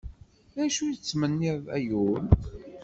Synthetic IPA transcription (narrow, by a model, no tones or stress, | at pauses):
ðæʃujət͡sːmənːiðˤæ̰jul